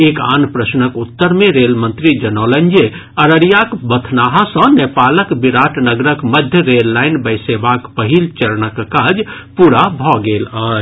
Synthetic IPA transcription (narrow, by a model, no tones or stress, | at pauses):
eːka̰ːnpɾəsnəkʊt̪ːəɾmẽɾeːlmə̃nt̪ɾid͡ʒənɔːlə̃nd͡ʒe | əɾəɽijakbət̪ʰnaːɦasə̃neːpaːləkbɪɾaːʈnəɡɾəkməd̪ʱjəɾeːlːaːɪnbəɪseːbaːkpəɦilt͡ʃəɾnəkkaːd͡ʒpuːɾabʱɔɡeːlaː